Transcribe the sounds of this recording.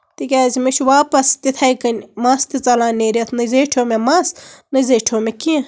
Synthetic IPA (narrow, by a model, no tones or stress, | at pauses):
t̪ikʲaːzimɐt͡ʃʰwaːpɐst̪it̪ʰɐjkɐnʲmast̪it͡sɐlaːneːɾet̪ʰnɨzeːʈʰoːmemasnɨzeːʈʰoːmekiẽ